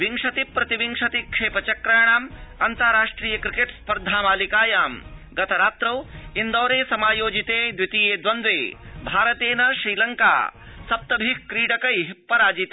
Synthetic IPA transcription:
ʋiŋʂɐt̪ipːɾɐt̪iʋiŋʂɐt̪ikʂeːpɐt͡ʃɐkɾɐjɳaːmɐnt̪ɐɾaːʂʈɾiːjɐkɾikeʈspɐɾd̪ʱaːmaːlikaːjaːmɡɐt̪ʰɐɾaːt̪ɾɐwind̪ɐːɾeːsɐmaːjoːd͡ʒit̪eːd̪ʋit̪ijeːd̪ʋɐnd̪ʋeːbʱaːɾɐt̪eːnɐʃɾiːlɐŋka̰ːsɐp̚t̪ɐbʱikkɾiːɽɐkɐjɦpːɐɾaːd͡ʒit̪

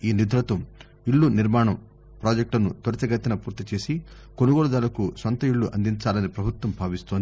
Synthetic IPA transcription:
iːnid̪ʱɾɐt̪ɐm | iɭːuniɾmaːɳɐm | pɾoːd͡ʒek̚ʈɐnut̪ɐɾɐt͡ʃɐɡɐt̪ːinɐpuːɾt̪it͡ʃe̞ːsi | konuɡoːɭɐd̪aːlɐkusont̪ɐiɭːuʔɐnd̪iɲt͡ʃaːlɐnipɾɐbʱut̪wʋɐmbʱaːʋist̪oːnd̪i

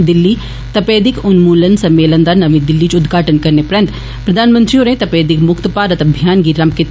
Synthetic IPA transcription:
d̪ɪlːi | t̪ɐpeːd̪ɪkʊnmuːlənsɐmːeːlə̃nd̪anɐʋĩd̪ɪlːit͡ʃʊd̪ɡʱaːʈənkɐɾnepɾə̃nt̪ | pɾɐd̪ʱaːnmə̃nt̪ɾioːɾẽt̪ɐpeːd̪ɪkmʊkt̪paːɾət̪ɐbʱijaːnɡiɾɐmpket̪

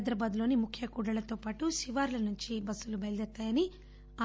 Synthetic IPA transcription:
d̪ɾɐbaːd̪ulo̞ːnimukʰjɐkuːɽɐlɐt̪o̞ːpaːʈuʃiʋaːɾlɐnuɲt͡ʃibɐsːulubɐjld̪ɛɾt̪ːaːjɐni | a

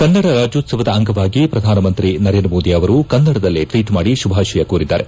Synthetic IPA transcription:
kɐnːɐɽɐɾaːd͡ʒjoːt̪sɐʋɐd̪ɐɐŋɡɐʋaːɡipɾɐd̪ʱaːnɐmɐnt̪ɾinɐɾe̞ːndɾɐmoːd̪iɐʋɐɾukɐnːɐɽɐd̪ɐlːiʈʋiːʈmaːɽiʃubʱaːʃɐjɐkuːɾid̪ːa̰ːɾe

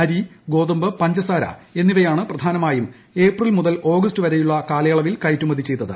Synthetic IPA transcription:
ɐɾiɡo̞ːðɐmbɨpɐɲd͡ʑɐsaːɾɐ̰e̞nːiʋɐjaːɳɨprɐd̪ʱaːnɐmaːjum | e̞ːprilmuðɐlo̞ːɡɐstɨʋɐɾejuɭːɐkaːlɐjɐɭɐʋilkɐjtːumɐd̪ʱit͡ɕːe̞jt̪ːɐðɨ

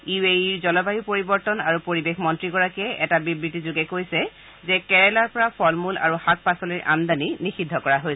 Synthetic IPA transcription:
ieiɹzɔlɔbajipoɹibɔɹtɔnaɹupoɹibexmɔntɹiɡɔɹakɛʔɛtabibɹitizuɡɛkojsɛ | zɛkɛɹɛlaɹpɔɹapʰɔlmula̰ɹuhak̚pasɔliɹʔa̰ndaninixidʱɔkɔɹaɦojsɛ

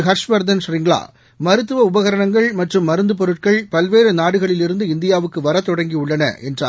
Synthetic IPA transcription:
ɦɐɾʂʋɐɾd̪ɐnʂɾɪŋɡɭa̰ː | mɐɾɯt̪ːɯʋɐʊbɐɣɐɾɐɳɐŋɡɐɭmɐʈrɯmːɐɾɯnd̪ɯp̬ɔɾɯʈ̚kɐɭpɐlʋeːɾɯnaːɽɯɣɐɭɪlɪɾɯnd̪ɯɪnd̪ɪjaːʋɯkːɯʋɐɾɐt̪ːɔɽɐŋɡiʊɭːɐnɐ̰ʔɛ̰ndra̰ː

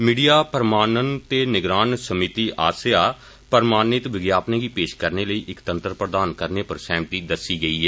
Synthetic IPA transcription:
miːɖijaːpəɾmaːnənt̪eːnɪɡɾaːnsəmɪt̪iːʔaːsjaː | pəɾmaːnɪt̪ʋɪɡjaːpnẽːɡiːpeːʃkəɾneːləiːʔɪkt̪ənt̪əɾpɾəd̪aːnkəɾneːpəɾsɛ̃ːmt̪iːd̪əsiːɡəiːɦɛː

